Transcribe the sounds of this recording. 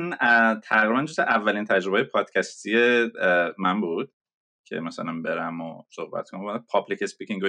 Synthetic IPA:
nt̪ʰæɣɾibænd͡ʒoseʔævːælint̪ʰæd͡ʒɾo̞bejepʰɒːd̪̥cʰæst̪ʰije | mænbuːd̪̥ | cʰe̞̰mæsæ̰lænbe̞ɾæmo̰sohbæ̰t̪konæmbpʰɒblicespikcʰĩŋɡo

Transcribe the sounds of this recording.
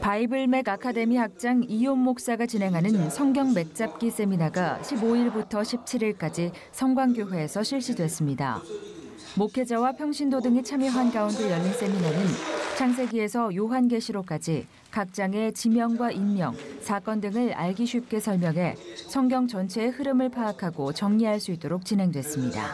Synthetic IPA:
paibɯɭme̞ɡakʰade̞mihak̚t͡ɕ͈aŋijomːok̚s͈aɡat͡ɕinɦe̞ŋɦanɯnsʰʌŋɡjʌŋme̞k̚t͡ɕ͈ap̚k͈is͈e̞minaɡaɕʰiboiɭbutʰʌɕʰip̚t͡ɕʰiɾiɭk͈ad͡ʑi | sʰʌŋɡwaŋɡjoɦwe̞ːsʰʌɕʰiɭɕ͈idwe̞s͈ɯmɲida̰ | mokʰe̞d͡ʑawapʰjʌŋɕʰindodɯŋit͡ɕʰamjʌɦanɡaunde̞jʌʎːins͈e̞minanɯnt͡ɕʰaŋs̬ʰe̞ɡie̞sʰʌjoɦanɡe̞ɕʰiɾok͈ad͡ʑi | kak̚t͡ɕ͈aŋe̞t͡ɕimjʌŋɡwainmjʌ̰ŋsʰak͈ʌndɯŋɯɭa̰ɭɡiɕʰɥip̚k͈e̞sʰʌɭmjʌŋɦe̞sʰʌŋɡjʌŋt͡ɕʌnt͡ɕʰe̞ːhɯɾɯmɯɭpʰaːkʰaɡot͡ɕʌŋɲiɦaɭs͈uit͈oɾok̚t͡ɕinɦe̞ŋdwe̞s͈ɯmɲida̰

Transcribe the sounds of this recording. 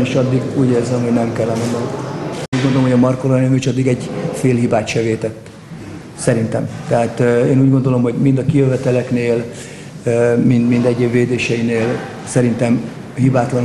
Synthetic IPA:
iʃɒd̪ːiɡuːɟeːrzɛmho̞ɟnɛmkɛlːɛnɛnːɔuːɟɡo̞nd̪oomɦoɟɒmɒrkolonelmeʃɒd̪ːiɡɛɟfeːlɦibaːt̪ʃɛveːt̪ɛt̪ː | sɛɾint̪ɛmt̪ɛɦaːt̪eːnuːɟɡond̪o̞lo̞mɦo̞ɟmind̪ɒkijøvɛt̪ɛlɛkneːl | mind̪mind̪ɛɟːeːbveːd̪eːʃɛjineːl | sɛɾint̪ɛm | hibaːt̪lɒn

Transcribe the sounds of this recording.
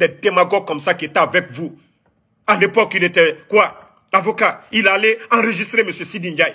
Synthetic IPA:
d̪ɛd̪emaɡɔɡ̚kːɔmsakiet̪ɛavɛkvu | alepɔkilet̪ɛkwa | avokailaːleɑ̃ɾəʒist̪ɾeməsjøsid̪ĩnd͡ʒaj

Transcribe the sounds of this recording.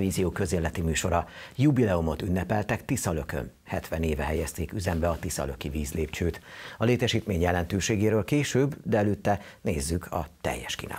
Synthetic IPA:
viːzijoːkø̞zeːlːɛt̪imyːʃo̞ɾɒjubilɛumo̞t̪ynːɛpɛlt̪ɛkt̪isɒløkø̰n | hɛt̪ʋɛneːvɛɦɛjɛst̪eːkyzɛmbɛɒt̪isɒ̰lø̞kiviːzleːpt͡ʃøːt̪ɒleːt̪ɛʃiːt̪meːɲjɛlɛnt̪øːʃeːɡeːɾøːlkeːʃøːbd̪ɛɛløt̪ːɛneːzːykʰɒ̰t̪ɛ̰jːɛʃkḭːna̰ː

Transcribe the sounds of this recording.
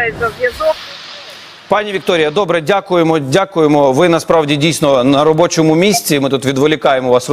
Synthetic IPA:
zɐzjɐzɔ | pɑnʲiʋʲik̚t̪ɔɾʲɪjɐd̪ɔbɾɛdʲakʊjemɔdʲakʊjemɔʋɪnɐspɾɑʋdʲidʲijsʲnɔnɐɾɔbɔt͡ʃɔmʊmʲisʲt͡sʲimɪt̪ut̪ʋʲid̪ʋɔlʲɪkɑjemɔʋɑs

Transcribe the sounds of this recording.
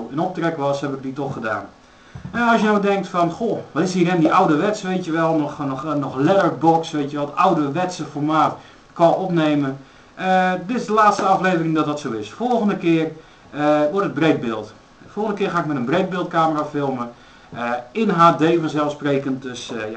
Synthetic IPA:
ɪnɔp̚trɛkəʋɔshɛbɪk̚ditɔxəda̰ːn | ənɔlsjənowdɛŋk̚tfɔnxoʋɔtɪshiːrɛndiʔawdəʋɛtsʋeːtjəʋɛlˠnɔxnɔnɔxlɛdərbɔksʋetjəʋɛlˠawdəʋɛtsəfɔrmaːt | kɔɔpneːmə | ʔədɪtɪzdəlaːtstəɑfleːvərɪŋdɔtdɔtsoːɪsfolˠxəndəkɪːər | əʋɔɹtəd̚breːd̚bɪːlˠt | folˠxəndəkɪːrχaːɪkmɛtənbreːd̚bɪːlˠt̚kaːməraːfɪlˠmə | əɪnɦaːdeːfɔnzɛlˠfspreːkənt̚døsja

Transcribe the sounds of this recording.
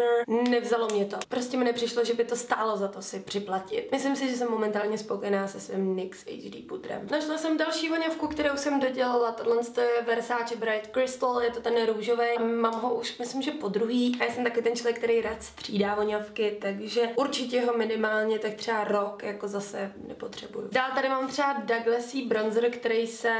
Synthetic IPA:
nɛvzalo̞mɲɛt̪opɾoscʲɛmɪnɛpr̥ɪʃloʒɛbɪt̪o̞st̪aːlozat̪osɪpr̝̥ɪplacɪt̪̚mɪslɪmsɪʒɛs̬ɛmːo̞mɛnt̪aːlɲɛspokojɛnaːsɛsvɪmnɪksɛ̰jd͡ʒdḭːput̪ɾɛ̰mnaʃlasɛmdalʃiːvoɲafkukt̪ɛɾɛwusɛmdoɟɛlalat̪odlɛnst̪ojɛvɛɾsaːt͡ʃɛbɾajt̪kɾɪst̪l̩jɛt̪ot̪ɛnɾuːʒovɛjmaːmɦoʔuʃmɪslɪmʒɛpo̞dɾuɦiːajaːsɛmt̪akoɪt̪ɛnt͡ʃlovjɛk̚t̪ɛɾɛjɾaːt̪sr̝̥iːdaːvoɲafkɪt̪aɡʒɛuɾt͡ʃɪcɛɦomɪnɪmaːlɲɛt̪ak̚t̪r̝̥ɛaɾokjakozasɛnɛ̰po̞t̪r̝̥ɛbṵjṵdaːlt̪adɪmaːmt̪r̝̥ɛadaɡlɛsiːbɾonzɾkt̪ɛɾɛjsɛ

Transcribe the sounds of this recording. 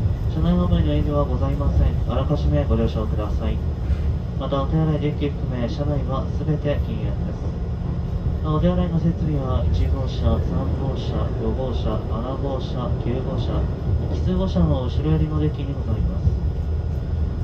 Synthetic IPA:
ɕanainomainoimʲiβ̞aɡo̞zaimasẽ̞ɴaɾakaɕime̞ɡo̞ɾʲo̞ːɕaokɯ̟d̪asai | mat̪aot̪ajaɾaid̪e̞kʲːiɸɯ̟̥kɯ̟me̞ːɕanaiβasɨbe̞t̪e̞kʲĩand̪e̞sɨ̥ | aod̪eaɾaino̞se̞t͡sɨɾʲiβait͡ɕiɡo̞ːɕasãmbo̞ːɕa̰jo̞bo̞ːɕa̰aɾaɡo̞ːɕakʲɨːɡo̞ːɕa | kʲi̥t͡sɨɡo̞ɕaβooɕiɾojoɾʲino̞d̪e̞kʲiɲ̟iɡo̞zaimasɨ̥

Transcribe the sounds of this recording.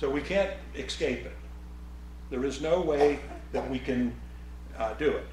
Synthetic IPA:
soʊwikʰæ̃nt | ɨkskeɪpɨt̪̚ | ðə˞ɨznoʊweɪ | ðɨt̚wikʰɨ̃n | dɨɪt̚

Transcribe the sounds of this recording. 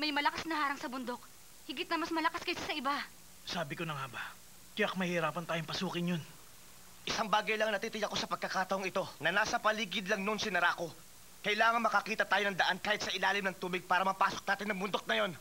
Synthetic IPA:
mɐjmɐlɐkasnɐhaːɾɐŋsɐbʊnd̪o̞k̚ | hɪɡɪt̪̚nɐmɐsmɐlɐkaskɐjsasɐɪba | saːbɪkonɐŋaba | kɐjakmɐhɪɾaːpɐnt̪aːjoŋpɐsuːkɪnjon | ʔɪsaŋbaːɡɐjlɐŋnɐt̪iːt̪ɪjɐko̞sɐpɐɡ̚kːɐkaːt̪ɐʔoŋɪt̪o̞nɐnaːsɐpɐliːɡɪd̪lɐŋnonsɪnɐɾako̞ | kɐjlaːŋɐŋmɐkɐkiːt̪ɐt̪aːjonɐŋd̪ɐʔankaːhɪt̪̚sɐʔɪlaːlɪmnɐŋt̪uːbɪɡ̚paːɾɐmɐpaːso̞k̚naːt̪ɪnːɐŋbʊnd̪ok̚nɐjo̞n

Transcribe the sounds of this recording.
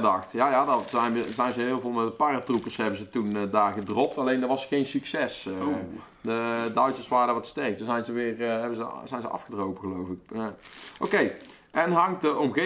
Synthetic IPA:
dɑxtjaːjaːdɑɛjnəzɛjnzəɦɪːəlˠvolˠmɛtdəpaːratrupərsɦɛbənzətundaːrɣədrɔp̚tɑlejndəʋɑsxejnsyksɛs | dədœɥtsərsʋaːrədaʋɑtstɛrk̚tunzɛjnzəʋɪːrɦɛbənzəzɛjnzəʔɑ̰fχədrowpəɣəlowvɪk̚aowkej | ɛnɦɑŋəʔɔmɣe

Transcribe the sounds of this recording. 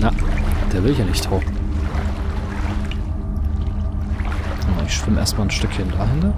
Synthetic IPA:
nad̥eːɐvɪlɪçjaːnɪçthoʊn̩ | oɪçʃv̥ɪmʔḛɐstmaːlnʃtʏkçəndaːɦɪntɐ

